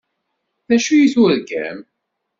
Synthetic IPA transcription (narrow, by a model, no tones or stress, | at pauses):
ðæʃujiθʊðɡæ̰m